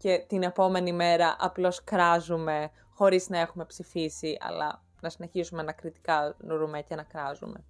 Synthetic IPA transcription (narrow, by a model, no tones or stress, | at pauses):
cet̪ine̞po̞me̞nime̞ɾɐʔɐplo̞skɾɐzume̞ | xo̞ɾiznɐe̞xume̞psifisiʔɐ̰lɐ̰ | nɐsine̞çisumenɐkɾit̪i̥kɐnoɾumecenɐkɾɐzṵme̞̰